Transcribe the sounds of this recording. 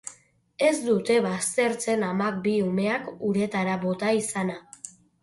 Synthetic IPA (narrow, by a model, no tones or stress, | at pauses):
e̞zd̪ut̪e̞βast̪e̞ɾt͡se̞namak̚biume̞akuɾe̞t̪aɾaβo̞t̪aisana